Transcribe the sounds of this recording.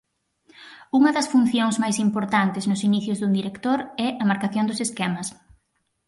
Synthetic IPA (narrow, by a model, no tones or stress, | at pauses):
uŋɐðɐsfun̟θjoŋzmajsimpoɾt̪ant̪ɪznʊsiniθjʊzðund̪iɾekt̪oɾɛɐmaɾkaθjond̪ʊseskɛmɐs